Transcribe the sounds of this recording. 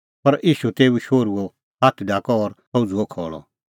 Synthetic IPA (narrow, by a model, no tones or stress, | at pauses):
pɐɾʔiːʃut̪eːuʃoːɾuɔ | ɦat̪ʰɖaːkɔɔːɾpɔud͡zuɔkʰɔːɭɔ̰